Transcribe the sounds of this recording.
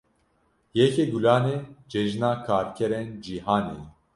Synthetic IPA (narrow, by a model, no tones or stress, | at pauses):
jɛkʰeɡulaːned͡ʒɛʒnaːkʰaːɾkʰɛɾend͡ʒiɦaːne